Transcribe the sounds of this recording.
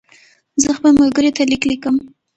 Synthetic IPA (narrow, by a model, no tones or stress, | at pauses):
zəxpəlmolɡəɾet̪aliklikəm